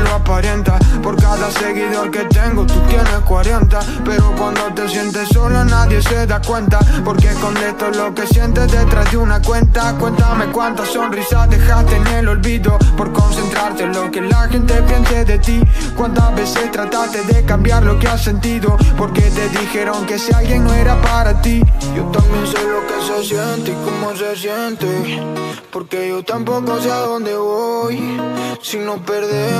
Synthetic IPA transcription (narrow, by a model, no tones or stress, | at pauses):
loapaɾɛnt̪apoɾkaðaseɣiðoɾket̪ɛŋɡot̪ut̪jɛnekwaɾɛnt̪a | peɾokwand̪ot̪esjɛnt̪esolanaðjeseðakwɛnt̪apoɾkekond̪et̪olokesjɛnt̪ed̪et̪ɾazd̪unakwɛnt̪akwent̪amekwant̪asonrisad̪exaɾt̪enelolbiðopoɾkonsent̪ɾaɾt̪elokelaxent̪epjɛnseðet̪ikwant̪aβeset̪ɾat̪aɾt̪eðekambjaɾlokease̞nt̪iðopoɾket̪eðixeɾoŋkesialɡjeŋnoeɾapaɾat̪iʝot̪ambjens̬elokesesjent̪ikomosesjent̪e | poɾkeʝot̪ampokos̬eaðond̪eβojsinopeɾðe